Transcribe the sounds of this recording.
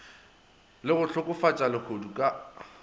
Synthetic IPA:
lɪɣʊt͡ɬʰʊkʼʊfat͡ʃʼalɪχʰodukʼa

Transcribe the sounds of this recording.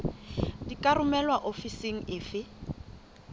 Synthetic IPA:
dikʼarʊmɛlwaʔofiseŋ̩ɪːfɪ

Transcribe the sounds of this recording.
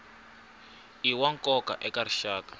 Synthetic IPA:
iwaŋkʼɔka̰ʔɛkaɾiʃaːkḁ

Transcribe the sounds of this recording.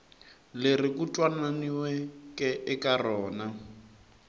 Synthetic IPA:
lerikutʼwananiwɛkʼɛʔɛkarɔːna

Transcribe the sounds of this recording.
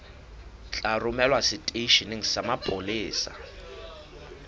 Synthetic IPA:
t͡ɬʼarʊmɛlwasɪtʼeiʃinɪŋ̩samapʼʊlɪːsa̰

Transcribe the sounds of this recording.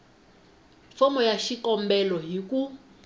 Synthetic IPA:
fɔmɔjaʃikɔmbɛlɔɦiku

